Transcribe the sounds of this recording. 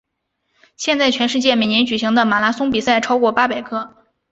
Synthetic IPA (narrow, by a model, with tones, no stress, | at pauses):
ɕjɛ˥˧nt͡sa˥˩ɪt͡ɕʰɥɛ˧˥nʂɻ̩˥˧t͡ɕjɛ˥˩me˨˩ɪnjɛ˧˥nt͡ɕy˨˩ɕi˧˥ŋd̪ə˧ma˨˩la˧˥sʊ˥ŋpi˨˩sa˥˩ɪʈ͡ʂʰɑ˥ʊkwɔ˥˩pa˥pe˨˩ɪkʰɤ˥